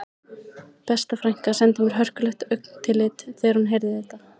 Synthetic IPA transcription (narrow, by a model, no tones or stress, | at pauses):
pɛst̪afɾajŋ̥kasɛnt̪ɪmʏɾ̥ɦœr̥kʏlɛxt̪œɥkn̥t̪ʰɪlːɪt̪θɛɣɾ̥hunɦejɾðɪθɛht̪ːa